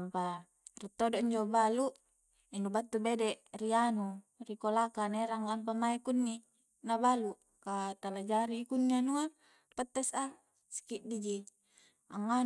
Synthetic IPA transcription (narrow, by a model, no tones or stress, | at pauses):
ampa | rit̪ːodoiɲd͡ʒobaluʔ | indubat̪ːubedɛʔrianurikolakaneɾaŋlamp̬amaikunːi | nabalu | kat̪alad͡ʒaɾikunːianua | pət̪ːɛsa | si̥kiʔdid͡ʒi | aŋa